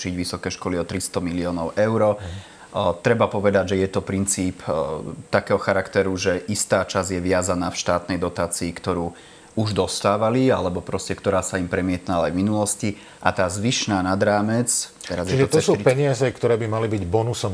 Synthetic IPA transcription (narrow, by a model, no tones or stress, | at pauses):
t͡ʃiɟʋisɔkɛːʃkɔliɔt̪ɾist̪ɔmiliɔːnɔʊʔɛʊɾɔ | t̪ɾɛbapɔʋɛd̪aɟʒɛjɛt̪ɔpɾint͡siːpt̪akɛːɦɔxaɾakt̪ɛɾuʒɛʔist̪aːt͡ʃazjɛʋɪazanaːfʃt̪aːt̪nɛjd̪ɔt̪aːt͡siːkt̪ɔɾuː | uʒd̪ɔst̪aːʋalialɛbɔpɾɔscɛkt̪ɔɾaːsaimpɾɛmɪɛt̪naaajvminulɔsci | ʔa̰t̪aːzʋiʃnaːnad̪ɾaːmɛt͡st͡ʃt̪ɛɾazjɛiʒɛɔt̪ɔsuːpɛɲɪazɛkt̪ɔɾɛːbimalibiɟbɔnusɔm